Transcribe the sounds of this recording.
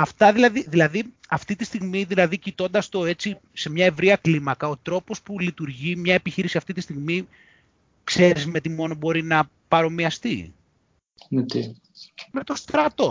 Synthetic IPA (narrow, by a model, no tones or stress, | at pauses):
ɐft̪ɐðilɐðiðilɐðiɐft̪it̪ist̪iɣmiðilɐðicit̪o̞nd̪ɐst̪o̞e̞t͡si | se̞mɲɐe̞vɾiɐklimɐkɐot̪ɾo̞po̞spulit̪uɾʝimɲɐe̞piçiɾisiɐft̪it̪ist̪iɣmi | kse̞ɾizme̞t̪imo̞no̞bo̞ɾinɐ | pɐɾo̞miɐst̪i | net̪i | me̞t̪o̞st̪ɾɐt̪o̞